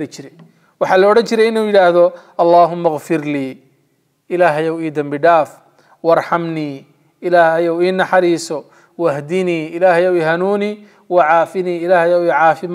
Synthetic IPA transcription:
ɾɐt͡ʃɪɾɛj | wɑħɑːlɔːɽɐnt͡ʃɪɾɛjɪnuːjɪɽaːhðɔʔɑlˤːɑːɦʊmːɐɣfɪrliː | ʔɪlaːɦɐjɐwiːd̪ɐmbɪɖaːf | wɑrˤħɑmniː | ɪlaːhhɐjɔwiːnːɑħɑɾiːsɔ | wɐhd̪iniːʔɪlaːhɐjɐwiːɦɐnuːniː | wɑʕɑːfɪniːɪlaːhɐjɐwiːʕɑːfɪm

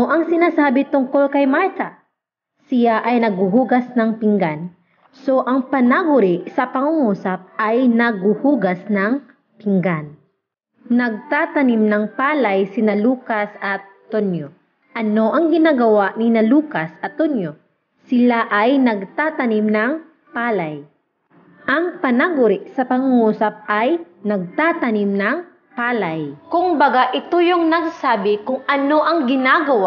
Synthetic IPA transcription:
oʔɐŋsɪnaːsaːbɪt̪ʊŋko̞lkɐjmaɹt̪a | sɪjaʔɐjnɐɡ̚ʊhuːɡɐsnɐŋpɪŋɡan | so̞ʔɐŋpɐnaɡʊɾɪʔsɐpɐŋʊŋuːsɐp̚ʔɐjnɐɡ̚uhuːɡɐsnɐŋ | pɪŋɡan | nɐɡ̚t̪aːt̪ɐnimnɐŋpaːlɐjsɪnɐluːkɐsʔɐt̪ː | onjo | ʔɐno̞ʔɐŋɡɪnaːɡɐwaʔnɪnɐluːkɐsɐt̪ːonjo | sɪlaʔɐjnɐɡ̚t̪at̪ɐnimnɐŋ | paːlaj | ʔɐŋpɐnaɡʊɾɪʔsɐpɐŋuːsɐp̚ʔaj | nɐɡ̚t̪at̪ɐnimnɐŋ | paːlajkʊŋbɐɡaʔɪt̪ojoŋnɐɡ̚saːbɪkʊŋʔɐno̞ʔɐŋɡɪnaːɡɐwa

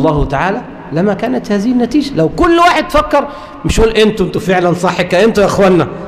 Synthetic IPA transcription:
lˤːɑːht̪aʕaːlæ | læmːækaːnæt̪haːðɪhɪnːæt̪iːd͡ʒælawkʊlːwaːħed̪̚ːfakːɑɾˤ | mɪʃʔuːlʔɪnt̪ɪnt̪ʊfeʕlænsˤɑħːekæʔɪnt̪ʊʔaxwænːæ

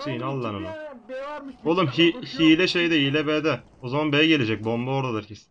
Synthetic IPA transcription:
sʰijinalˠːanɯna | olˠɯmɦihilʲɛʃejd̪ɛiːlʲɛbɛːd̪ɛ | ozamanbejɛɟe̞lʲed͡ʒɛc̚bo̞mbaoɾd̪ad̪ɯɾkʰis

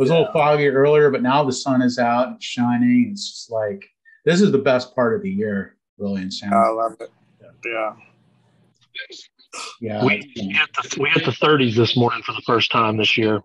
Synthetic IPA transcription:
wʌzlɪɾl̩ˠfɑɡiɜ˞lˠiə˞bʌtⁿnaʊðɨsʌ̃ñɨzaʊɾn̩ʃãɪ̃nɪ̃nd͡ʒʌ̥st̚ˡlaɪk | ðɪs̬ɨzðəbɛs̚pʰɑɹɾʌvðɨjɪɹ | bɹɪlˠijɨ̃nsãlʌvɨt̚ | jæ | jæwiiɨt̪̚ðəwiɨt̪̚ðəθɜ˞ɾizðɪsmɔɹnɪ̃ŋfə˞ðəfɜ˞stʰãɪ̃mðɪsjɪɹ

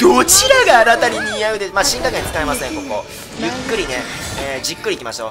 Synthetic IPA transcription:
d̪̥ot͡ɕiɾaɡaːnat̪aɲʲiɲʲijaɯ̟d̪emaːɕĩŋkakẽnt͡sɨ̥kaemasɨẽ̞ŋko̞ko̞̰ | jɯ̟kːɯ̟ɾʲine̞eːd͡ʑikːɯ̟ɾikʲimaɕo̞̰

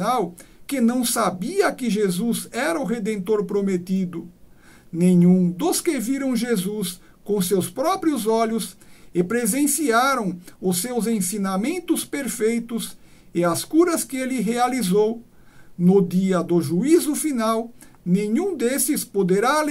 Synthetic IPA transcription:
awkɪnɐ̃w̃sabiɐkɪʒezuzɛɾɐʊɦed̪ẽnt̪oɾpɾomet̪id̪ʊ | nẽɲũd̪ʊskeviɾɐ̃w̃ʒezus | kõsewspɾɔpɾiʊzɔʎʊsɪpɾezẽsiaɾɐ̃w̃ʊsewzẽsinamẽnt̪ʊspeɾfejt̪ʊs | ɪaskuɾɐskɪelɪɦealizow | nʊd̪iɐd̪ʊʒuizʊfinawnẽɲũd̪esɪspod̪eɾal

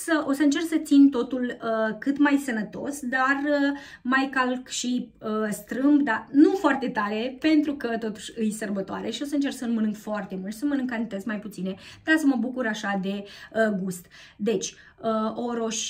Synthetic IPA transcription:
səʔo̞səɨnt͡ʃe̞rksət̪sint̪o̞t̪uləkɨt̪majsənət̪o̞̰sd̪arə | majkalkʃiəst̪ɾɨmbd̪anufoart̪e̞t̪aɾe̞pe̞nt̪ɾukət̪o̞t̪u̥ʃɨjsərbət̪oa̰ɾeʃio̞səɨnt͡ʃe̞rksəlmənɨŋɡfoart̪e̞mult̪səmənɨŋɡkant̪ezmajput̪sine̞d̪̥asəməbukuɾaʃad̪e̞əɡust̪ | d̪e̞t͡ʃʲ | əoɾoʃ

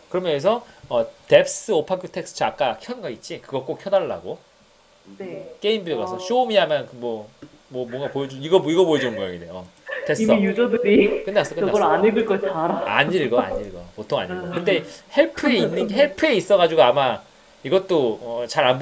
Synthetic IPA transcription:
kɯɾʌmjʌjʌɡs̬ʰʌʌte̞p̚s͈ɯopʰakʰjotʰe̞k̚sɯ̥t͡ɕʰak͈akʰjʌnɡʌit̚t͡ɕ͈ikɯɡʌk͈okʰjʌdaɭːa̰ɡo | nek͈e̞imbiɾjoɡasʰʌɕomiamankɯmwʌ | mwʌmwoŋɡapojʌd͡ʑuiɡʌiɡʌpojʌd͡ʑinɯnɡʌja̰ɡideʌtʰesiʌjud͡ʑʌdɯɾikɯndeas͈ʌkɯdɾaɲɯɡɯɭkʌt͡ɕaɾaa̰ɲiɭɡʌa̰ɲiɭɡʌpotʰoŋa̰ɲiɭɡʌkɯnde̞heɭpʰɯeinːɯnɡɦeɭpʰɯeis͈ʌɣad͡ʑuɡoama | iɡʌt͈oʌt͡ɕaɾanb

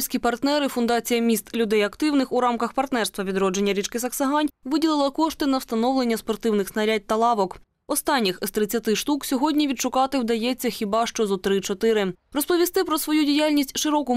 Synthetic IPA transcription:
sʲkʲipɐrt̪nɛɾɪfʊnd̪ɑt͡sʲijɐmʲist̪lʲʊd̪ɛjɐkt̪ɪwnɪxuɾɑmkɐxpɐrt̪nɛrst̪ʋɐʋʲid̪ɾɔd͡ʒenʲːɐɾʲit͡ʃkɪsɐksɐɦɑnʲʋɪdʲilˠɪlˠɐkɔʃt̪ɪnɐwst̪t̪ɐnɔʋlˠenʲːɐspɔrt̪ɪwnɪxsnɐɾʲat̚ʲt̪ɐlˠɑʋɔk | ɔst̪ɑnʲːixst̪ɾɪt͡sʲːɐt̪ɪʃt̪uksʲɔɦɔdʲnʲiʋʲid̪ʃʊkɑt̪ɪwd̪ɐjɛt͡sʲːɐxʲibɑʃt͡ʃɔzɔt̪ɾɪt͡ʃɔt̪ɪɾɪrɔspɔʋʲist̪ɪpɾɔsʋɔjudʲijalʲnʲisʲtʲʃɪɾɔkʊ

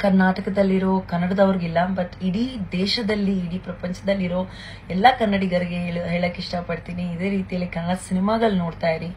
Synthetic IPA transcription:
kɐɾnaːʈɐkɐd̪ɐlːiɾo̞ːkɐnːɐɽɐd̪ɐʋɐɾiɡilːɐbɐt̪ːiɽid̪ɛːʃɐd̪ɐlːiːɽipɾɐpɐɲt͡ʃɐd̪ɐlːiɾo̞ː | ɛlːɐkɐnːɐɽiɡɐɾiɡeeɭɦeːɭɐkːiʂʈɐpɐɽt̪iːniːd̪e̞ːɾiːt̪ijɐlːikɐnɐɽɐsinimaːɡɐɭnoːɽt̪aːjiɾi

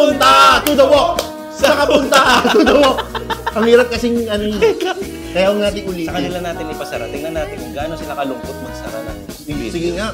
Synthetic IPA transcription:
ʊnt̪at̪ud̪ɐwoʔ | sɐkɐpʊnt̪at̪ud̪ɐwoʔɐŋhiːɾɐp̚kɐsɪŋɐnoj | kɐjaʔʊŋnaːt̪ɪŋʔʊlisɐkɐnɪlanaːt̪ɪnɪpɐsɐɾa̰t̪ɪɛŋnɐnːaːt̪ɪnkʊŋɡaʔːnosɪlɐkɐlʊŋpot̪̚mɐɡsɐ̰ɾa̰la̰ | sɪɡɪŋaʔ

